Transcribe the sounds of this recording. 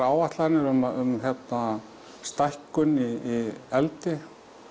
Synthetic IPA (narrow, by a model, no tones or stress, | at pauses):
aːwvaht̪laɾnɪɾʏmaʏmçɛt̪na | st̪ajhkʏniiɛlt̪ɪ